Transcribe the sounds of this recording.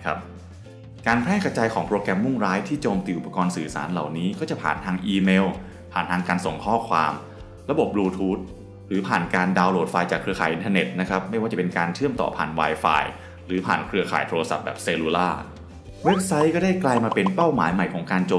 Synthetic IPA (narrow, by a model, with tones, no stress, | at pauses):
kʰa˦˥p̚ | kaː˧npʰɛː˥˩ka˧t͡ɕaː˧jkʰɔː˩˦ŋpɾoː˧kɾɛ˧mːu˥˩ŋɾaː˦˥jt̪ʰiː˥˩t͡ɕoː˧mt̪iː˧˩ʔu˨˩p̚ːa˧kɔː˧nsɯː˨˩sa̰ː˩˦nla̰˨˩wniː˦˥kɔː˥˩t͡ɕa˨˩pʰa̰ː˨˩nt̪ʰaː˧ŋʔiː˧meː˧w | pʰaː˨˩nt̪ʰaː˧ŋkaː˧nso˨˩ŋkʰɔː˥˩kʰwaː˧m | ɾa˧bo˨˩p̚ɾuː˧t̪ʰuː˦˥t̪̚ | ɾɯː˩˦pʰaː˨˩nkaː˧ndaː˧wloː˧˥˩t̚faː˧jt͡ɕaː˨˩kʰːɾɯ˧kaː˩jʔi˧nt̪ʰa˧ne˨˩t̪̚na˦˥kʰa˦˥p̚ma˥˩jwaː˥˩t͡ɕa˩pe˧nkaː˧nt͡ɕʰɯ˥˩əmt̪ɔ̰ː˨˩pʰa̰ː˨˩nwaː˧jfa̰ː˧j | ɾɯː˩˦pʰa̰ː˨˩nkʰɾɯ˧ɐkʰa̰ː˨˩˦jt̪ʰoː˧ɾa˧sa̰˨˩p̚bɛː˨˩p̚se˧luː˧laː˥˩ | we˦˥p̚sa˦˥jkɔː˥˩daː˥˩jklaː˧jmaː˧pe˧npa˥˩wmaː˩˦jma˨˩jkʰɔː˩˦ŋkaː˧nt͡ɕoː˧